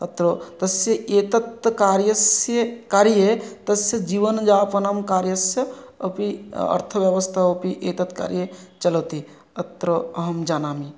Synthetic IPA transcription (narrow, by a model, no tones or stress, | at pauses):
ət̪ɾot̪ɐsjəʔet̪ət̪kaːɾjəsjəkaːɾjet̪ɐsjəd͡ʒiːʋənd͡ʒaːpɐnamkaːɾjəsjə | əpiə̰ɾt̪ʰəʋjəʋəst̪ʰaəpiʔet̪ət̪ka̰ːɾjet͡ʃələt̪i | ət̪ɾəɐɦəmd͡ʒaːnaːmi